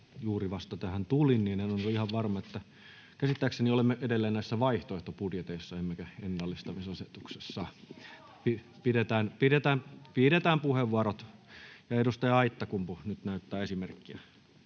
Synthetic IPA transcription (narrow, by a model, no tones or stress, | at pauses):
juːriʋɑst̪ɑt̪æhænt̪ulinniːnænonoihɑʋʋɑrmɑet̪ːæ | kæsit̪ːæːkseniolemːeʔedelːeːnnæisːæʋɑiht̪oeht̪opudjet̪eisːɑemːekæenːɑlːist̪ɑmisɑset̪ukse̥sːɑː | pi | pidet̪æːnpiɾet̪æːmʋiːɾet̪æːmpuheʋːuɑrot̪jɑedust̪ɑjɑɑit̪ːɑkumpunyt̪næyt̪ːæːesimerkːiæ